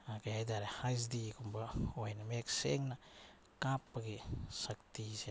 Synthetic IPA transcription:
akeedaɾehajs̬dikumbaojnameksḛŋna | kapːaɡisak̚t̪ise

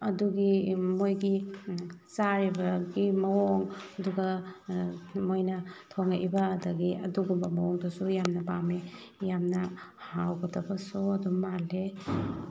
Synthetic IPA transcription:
ɐduɡimojɡi | saɾibaɡimɐɔŋɐduɡa | mojnɐtʰɔŋaʔibaːdaɡiɐ̰duɡumbamawɔŋdɔsujamnɐpame | jamnahawɡɔtʰabasɔɐdumale

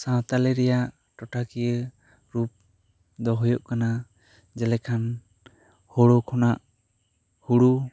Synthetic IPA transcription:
sãt̪alɛɾɛjaʔ | ʈɔʈakijə | ɾup̚ | d̪ɔɦujɔʔkana | d͡ʒɛlɛkʰan | hɔɽokʰɔnaʔ | huɽu

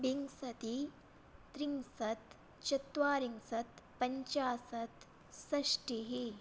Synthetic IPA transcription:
biŋsɐt̪i | t̪ɾiŋsɐt̪ | t͡ʃɐt̪ʋaːɾiŋsɐt̪pɐɲt͡ʃaːsɐt̪ | sɐʃʈiɦi

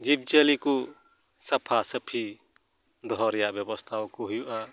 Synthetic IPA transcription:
d͡ʒib̚d͡ʒəliku | sɐpʰasəpʰi | d̪ɔɦɔɾɛjaʔbjɛbɔst̪ʰawkɔɦujuʔa

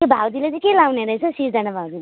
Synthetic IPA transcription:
kebʱawd̪ilet͡sʌ̃kelawneɾʌjt͡sʰʌsid͡zanabʱawd̪ile

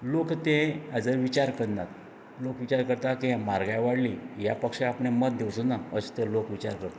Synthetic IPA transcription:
lokt̪ẽad͡zəɾʋit͡ɕaɾkəɽna̰t̪ | lokʋit͡ɕaɾkəɾt̪akiɦãmaɾɡajʋaɽlijapəkʂẽapɳeməd̪̚d̪ewsunaəst̪elokʋit͡ɕa̰ɾkəɾt̪a

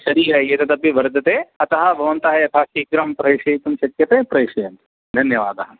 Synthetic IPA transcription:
ʃɐɾiːɾɐjeːt̪ɐt̪ɐpiʋɐɾd̪ʱɐt̪eɐt̪ɐɦɐbʱɐʋɐnt̪aɦeɐt̪ʰaʃiːkɾaːmpɾɐjʂɐt̪umʃɐkjɐt̪epɾɐjʂɐjɐnt̪ | d̪ʱɐnjɐʋaːd̪ɐɦɐ

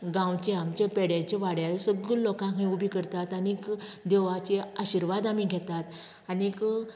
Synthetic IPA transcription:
ɡãwt͡ɕeamt͡ɕapɛɽjat͡ɕeʋaɽjalsəɡulokãkɦĩubʱikəɾt̪at̪añikd̪eʋat͡ɕeaɕiɾʋad̪amiɡʱɛt̪at̪ | anik

